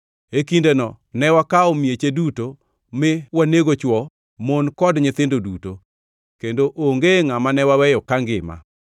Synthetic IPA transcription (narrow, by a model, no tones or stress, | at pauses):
ekindenɔ | nɛwakaomjet͡ʃeduto | mɪwaneɡot͡ʃwɔ | monkɔdɲɪt̪ɪndoduto | kendoʔoŋɡeŋamanɛwawɛjɔkaŋɡɪ̰ma̰